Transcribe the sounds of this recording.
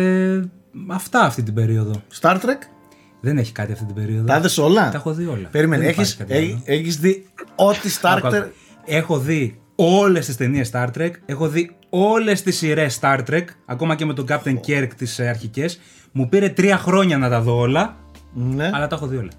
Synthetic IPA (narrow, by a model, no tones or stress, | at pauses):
e | ɐft̪ɐːft̪it̪̬ibe̞ɾio̞ðo̞st̪ɐɾt̪ɾek | ðe̞ne̞çi̥kɐt̪iɐft̪it̪ibe̞ɾio̞ðt̪ɐðeso̞lɐɐexo̞ðio̞lɐ̰peɾimeneçiskɐt̪eeçizðiot̪ist̪ɐɾkɐe | e̞xo̞ði | o̞le̞st̪ist̪e̞niest̪ɐɾt̪ɾeke̞xo̞ði | o̞le̞st̪isiɾe̞sːt̪ɐɾt̪ɾekɐ̰ko̞mɐce̞me̞t̪o̞ɡɐp̚t̪eŋceɾkt̪isɐɾçice̞s | mupiɾe̞t̪ɾiɐxɾo̞ɲɐnɐt̪ɐðo̞o̞lɐ | neɐlɐt̪ɐexo̞ðio̞lɐ